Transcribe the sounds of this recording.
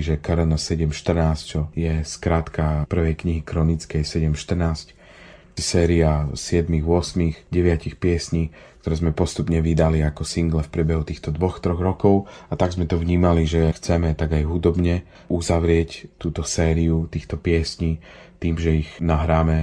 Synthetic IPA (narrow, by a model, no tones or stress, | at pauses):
ʒɛkɾnsɛɟɛmʃt̪r̩naːst͡ʃɔjɛskɾaːt̪kapr̩ʋɛjkɲiɦikɾɔnit͡skɛjsɛɟɛmʃt̪r̩naːsc | sɛːɾiasɪɛd̪miɣʋʊɔsmiɣɟɛʋɪacixpɪɛsɲiː | k̚t̪ɔɾɛːzmɛpɔst̪upɲɛʋid̪aliakɔsiŋɡlɛfpɾɪɛbɛɦut̪iːxt̪ɔd̪ʋɔxt̪ɾɔɣɾɔkɔʊat̪aɡzmɛt̪ɔʋɲiːmaliʒɛxt͡sɛmɛt̪aɡajɦud̪ɔbɲɛ | uzaʋɾɪɛct̪uːt̪ɔsɛːɾiut̪iːxt̪ɔpɪɛsɲiː | t̪iːmʒɛiɣnaɦɾaːmɛ